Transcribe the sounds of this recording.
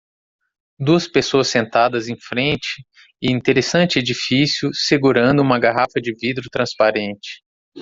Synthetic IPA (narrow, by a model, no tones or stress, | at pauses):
d̪uɐspesoɐsːẽnt̪ad̪ɐzẽj̃fɾẽnt͡ʃɪ | ɪĩt̪eɾesɐ̃nt͡ʃɪed͡ʒifisjʊseɡuɾɐ̃nd̪ʊũmɐɡaɦafɐd͡ʒɪvid̪ɾʊt̪ɾɐ̃spaɾẽnt͡ʃɪ̥